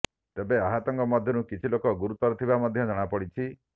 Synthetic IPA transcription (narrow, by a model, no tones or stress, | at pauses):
t̪ebeaɦat̪ɔŋkɔmɔd̪ʱjɔnukit͡ʃʰilokɔɡuɾut̪ɔɾɔt̪ʰibamɔd̪ʱjɔd͡ʒɔɽ̃apɔɽit͡ʃʰi